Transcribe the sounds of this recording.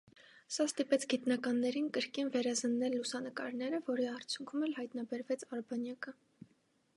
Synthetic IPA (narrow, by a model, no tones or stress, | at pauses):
sɑst̪ipɛt͡sʰɡit̪nɑkɑnːɛɾinkəɾkinvɛɾɑzənːɛlːusɑnəkɑ̰ɾnɛɾəvɔɾiɑrt͡sʰjuŋkʰumɛlɦɑjt̪nɑbɛɾvɛt͡sʰɑɾbɑnjɑkə